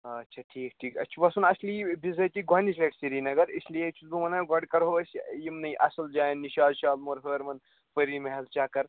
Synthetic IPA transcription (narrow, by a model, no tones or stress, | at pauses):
ɐtːʃʰɐʈʰiːk̚ʈʰiːkɐ̰t͡ʃʰibɐsunɐslibizɐk̪ʲiɡanisleʈsiɾinɐɡɐɾislijet͡ʃʰud̪umɐnaɡɐɖkɐɾɦoɐsjimnɐjʔɐsɐld͡ʒaːnːiʃaːd̪ʃaːlmoɾɦəːɾmɐn | pəɾimeɦɐlt͡ʃaːkɐɾ